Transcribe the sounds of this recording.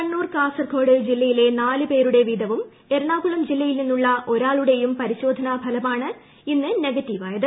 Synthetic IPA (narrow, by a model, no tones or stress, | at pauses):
kɐɳːuːrkaːsɐrkʰo̞ːɽɨd͡ʑilːɐjile̞naːlɨpe̞ːɾuɽe̞ʋiːd̪ʱɐʋum | e̞ɾɐɳaːkuɭɐmd͡ʑilːɐjilninːuɭːɐʔo̞ɾaːɭuɽe̞jumpɐɾiɕo̞ːd̪ʱɐnɐbʱɐlɐmaːɳɨ | inːɨne̞ɡɐtːiʋaːjɐðɨ